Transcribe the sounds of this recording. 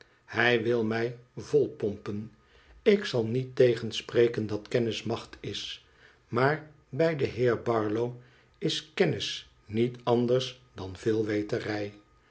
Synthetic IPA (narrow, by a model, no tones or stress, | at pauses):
hɛjʋɪlˠmɛjvɔlˠpɔmpən | ɪksɑlˠnitejχənsprejkəndɑtkɛnɪsmɑχtʰɪs | maːɹ | bɛjdəɦɪːɹbɑɹlow | ɪskɛnɪs | nitɑndəɹsdɑnv̥ɪːlˠʋejtərɛj